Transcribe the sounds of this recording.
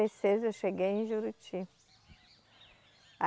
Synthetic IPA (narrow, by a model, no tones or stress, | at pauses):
esezewʃeɡejẽj̃ʒuɾut͡ʃi | a